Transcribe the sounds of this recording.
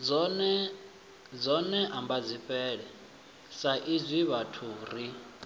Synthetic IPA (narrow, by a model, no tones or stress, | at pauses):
d͡zɔnɛ | d͡zɔnɛʔambad͡zʷiɸʼɛːɺɛ | saʔizʷiβatʰuːɾi